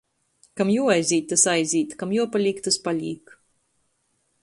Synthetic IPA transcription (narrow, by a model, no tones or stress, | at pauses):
kamjuɔajzʲiːt̪̚t̪ːasajzʲiːt̪kamjuɔpalʲiːkt̪aspalʲḭːk